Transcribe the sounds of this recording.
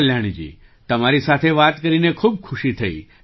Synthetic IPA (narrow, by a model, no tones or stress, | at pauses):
ljaɽ̃d͡ʒḭː | t̪əmaɾisat̪ʰeʋat̪kəɾinekʰuːb̚kʰuʃit̪ʰəḭ